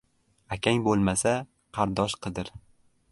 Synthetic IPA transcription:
akʲaŋbolˠmasa | qʰɑɾd̪ɒʃqʰɨd̪ɪɾ

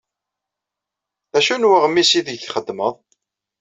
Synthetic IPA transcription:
æʃunwəʁəmːisiðəχəd̪ːməðˤ

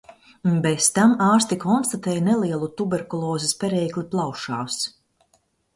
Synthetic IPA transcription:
nbest̪amaːɾst̪ikɔnst̪at̪ɛːjnɛlˠiɛlˠut̪ubeɾkulˠɔːzispʲɛɾɛːkliplˠawʃaːs

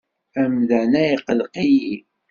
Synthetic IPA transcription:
æmðænæiqəlqiji

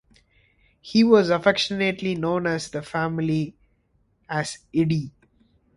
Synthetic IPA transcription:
hiːʋɔzəfɛkʃəneʈlinõːnæzd̪əfæmɪli | æz̥ɪɖi

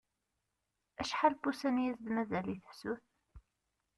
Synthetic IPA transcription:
æʃħalbusænjæsðmæzæliθə̥fsuθ

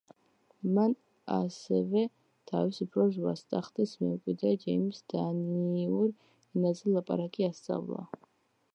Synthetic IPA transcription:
man | a̰sɛvɛ | t̪ʰavisupʰɾɔzwa̰st̪ʼaχd̪ɛsmɛ̰mkʼwid̪ad͡ʒɛmsd̪̥aniuɾ | ɛnazɛlˠapʼa̰ɾakʼiast̪sʼa̰vla̰

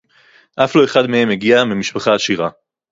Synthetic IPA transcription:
ʔafloe̞χad̪mehe̞meɡiamimiʃpaχaːʃiʁa

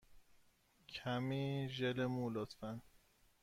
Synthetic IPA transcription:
kʰæmiːʒelemulot̪fæn

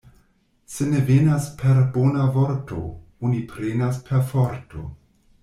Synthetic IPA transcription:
se̞ne̞venaspʰe̞ɾbonavoɾto̞̰onipʰɾenaspʰeɾfoɾto̞̰

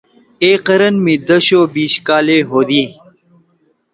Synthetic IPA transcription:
eːqɐɾɐnmid̪əɕoːbiːɕkaːleɦoːd̪iː

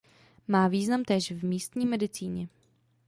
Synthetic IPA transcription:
maːviːznamt̪ɛːʃvmiːst̪ɲiːmɛdɪt͡siːɲɛ

